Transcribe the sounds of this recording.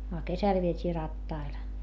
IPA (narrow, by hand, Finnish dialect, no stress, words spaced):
ɑ kesæl ʋietʲiː rɑtːɑil